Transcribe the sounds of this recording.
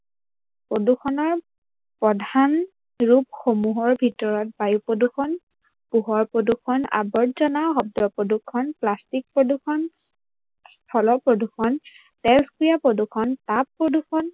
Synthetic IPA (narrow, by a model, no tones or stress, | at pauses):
pɹodukʰɔnɔɹ | pɔdʱan | ɹupxomuɦɔɹbʱitɔɹɔt̚bajupɹodukʰɔn | puɦɔɹpɹodukʰɔna̰bɔtzɔnaxɔb̚dɔpɹodukʰːɔnplastik̚pɹodukʰɔn | stʰɔlɔpɹodukʰɔn | tɛlskijapɹodukʰɔntapːɹodukʰɔn